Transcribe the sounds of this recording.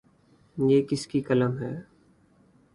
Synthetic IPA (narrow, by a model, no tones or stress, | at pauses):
jeːkɪskikələmɦɛː